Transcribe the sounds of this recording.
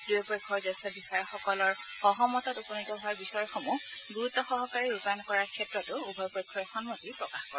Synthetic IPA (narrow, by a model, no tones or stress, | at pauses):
d̥ujɛpɔjkʰːɔɹzɛstɔbixɔjɔxɔkɔlɔɹ | ɔɦɔmɔtɔtupɔnitɔɦʊaɹbixɔjɔxomuɡuɹutːɔxɔɦɔkaɹiɹupankɔɹaɹkʰɛtɹɔtʊubʱɔjpɔjkʰːɔjɔxɔnmotipɹɔkaxkɔɹɛ